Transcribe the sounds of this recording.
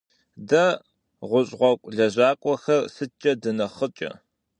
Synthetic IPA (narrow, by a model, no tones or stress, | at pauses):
dɐ | ʁʷʊɕʼʁʷɔkʷʼɮɐʑaːkʷʼɔxɐrsɨt͡ʃʼːɐdɨnɐχət͡ʃʼɐ̰